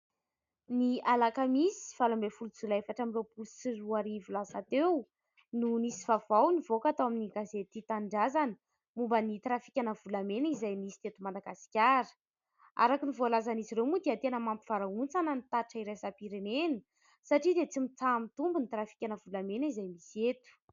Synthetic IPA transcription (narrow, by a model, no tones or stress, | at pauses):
nialakamisi̥falambefulut͡sulaefaʈ͡ʂamirepulsiruaɾivulasat̪ew | nunisivavawnivokat̪awaminiɡazet̪it̪aɳɖ͡ʐazanə̥ | mumbənit̪ɾafi̥kʲanəvulamenizajmisi̥t̪et̪umad̪aɡasi̥kʲaɾə̥ | a̰ɾakinivoalazaniziɾewmud̪eat̪enəmampiv̥aɾaunt͡sanənit̪aʈ͡ʂaiɾesapiɾenenə | saʈ͡ʂid̪et͡simit͡samit̪umbunit̪ɾafi̥kʲanəvulamenəizajmiset̪u̥